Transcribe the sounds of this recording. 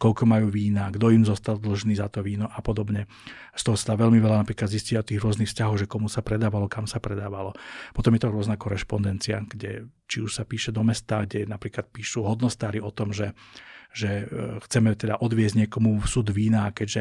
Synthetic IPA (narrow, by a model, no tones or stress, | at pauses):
kɔlkɔmajuːʋiːnaːɡd̪ɔimzɔst̪ald̪l̩ʒniːzat̪ɔʋiːnɔʔapɔd̪ɔbɲɛ | st̪ɔɦɔsad̪aːʋɛlmiʋɛlanapɾiːklad̪zisciaɔt̪iːɣɾʊɔznixfscaɦɔwɣʒɛkɔmusapɾɛd̪aːʋalɔkamsapɾɛd̪aːʋalɔpɔt̪ɔmjɛt̪ɔɾʊɔznakɔɾɛʃpɔnd̪ɛnt͡siaɡ̥ɟɛt͡ʃiuʃsapiːʃɛd̪ɔmɛst̪aːɡɟɛnapɾiːklat̪̚piːʃuɦɔd̪nɔst̪aːɾiɔt̪ɔmʒɛʒɛxt͡sɛmɛt̪ɛd̪aʔɔd̪ʋɪɛzɟɲɪɛkɔmufsud̪ʋiːnaːkɛɟʒɛ